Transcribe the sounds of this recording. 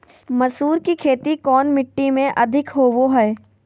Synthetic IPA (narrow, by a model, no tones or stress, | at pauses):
mɐsuːɾkikʰeːt̪ikɔːnmɪʈːimẽʔɐd̪ʱɪkɦoːʋoɦɛː